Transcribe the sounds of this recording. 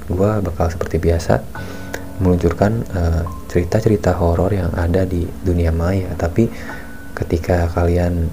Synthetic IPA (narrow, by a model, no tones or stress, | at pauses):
ɡuabakalsə̥pərt̪ibiasa̰ | məluɲt͡ʃurkanət͡ʃəɾit̪at͡ʃəɾit̪aɦoɾɔrjaŋa̰dadiduniamajat̪api | kət̪ikakalian